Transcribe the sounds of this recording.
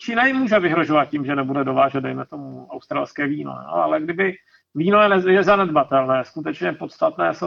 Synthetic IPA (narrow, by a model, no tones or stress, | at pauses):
t͡ʃiːnajɪmːuːʒɛvɪɦɾo̞ʒovat̪̚cimʒɛnɛbudɛdo̞vaːʒɛd̪̚dɛjmɛt̪o̞muawst̪ɾaːlskɛːviːno̰o̰a̰lɛɡdɪbɪ | viːnojɛnɛjɛzanɛd̪bat̪ɛlnɛːskut̪ɛt͡ʃɲɛpo̞t̪st̪at̪nɛːs